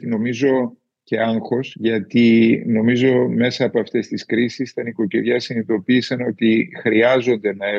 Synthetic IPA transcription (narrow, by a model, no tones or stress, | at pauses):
t̪ino̞mizo̞ | ce̞ɐŋxo̞sʝɐt̪ino̞mizo̞me̞sɐːpo̞ɐft̪e̞st̪iskɾisisi̥t̪ɐniko̞ceðʝɐsinit̪o̞piːsɐno̞t̪ixɾiɐzo̞nd̪e̞nɐe